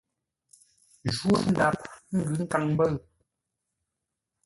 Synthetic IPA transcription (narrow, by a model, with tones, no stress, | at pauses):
ʒu˦n̩˨˦da˨p̚ŋ̩˦ɡʉ˨˦ŋ̩˦ka˨ŋm˦bə˦˨